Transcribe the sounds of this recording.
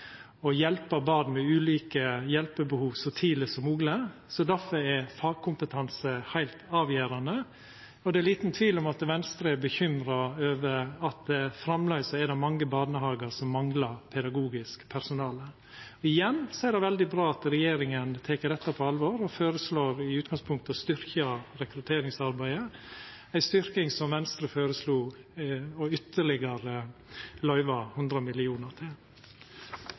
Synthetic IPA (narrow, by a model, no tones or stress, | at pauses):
ɔjɛlpəɾbɑːd̪mɛʉːliːkəjɛlpəbəhuːʋsɔt̪ʰiːləsɔmuːɡləsɔd̪æfɔɛfɑːɡ̚kʰʊmpət̪ʰɑnsəhæɪlt̪ɑːʋjæːɾɑnə | ɔd̪ɛæliːt̪nt̪ʰʋiːlɔmɑt̪ʋɛnst̪ɾəɛbəçʏmɾɑøːʋəɾɑt̪̚d̪ɛfɾɑmlœʏsəɛd̪ɛmɑŋːəbɑːnəhɑːɡəɾsɔmːɑŋlɑɾpʰɛd̪ɑɡuːɡɪskpʰæɾsʊnɑːlə | ɔɪjɛnːseɪɖ̪ɛʋɛld̪ɪbɾɑːɑt̪ɾɛjeːɾɪŋənt̪ʰeːkəɖ̪ɛt̪ːɑpʰɔɑlʋɔɾɔføːɾəsloːɾɪʉːt̪̚ɡɑŋspʰʊŋk̚t̪ɑst̪ʏɾkɑɾɛkɾʉt̪ʰeːɾɪŋsɑɾbæɪə | æɪst̪ʏɾkɪŋsɔmʋɛnst̪ɾəføːɾəsluː | ɔʏt̪ʰːəɭɪɡəɾəlœʏʋɑhʉnd̪ɾəmɪlɪuːnəɾt̪ʰɪl